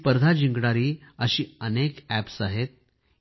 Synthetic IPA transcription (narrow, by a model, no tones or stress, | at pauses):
pəɾd̪ʱad͡ʑiŋɡɽaɾiːəɕiːənekæpsaɦet̪̚